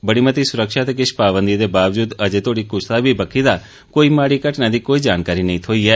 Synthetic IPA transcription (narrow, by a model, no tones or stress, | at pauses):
bəɽ̃imət̪isʊɾəkʃat̪kɪʃpaʋənd̪id̪ebaʋd͡ʒud̪əd͡ʒet̪oɽikʊslabʱibəkʰid̪a | koimaɽikəʈnad̪ikoid͡ʒankaɾinəɦĩt̪ʰoie